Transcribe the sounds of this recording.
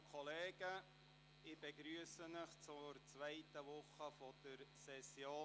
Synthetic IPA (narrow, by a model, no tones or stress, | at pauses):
kʰɔleːɡ̥ə | ɪb̥ɛɡɾyəsənəχt͡sʊɾt͡sʋæɪtəʋʊχəfɔd̥əɾsɛsjoː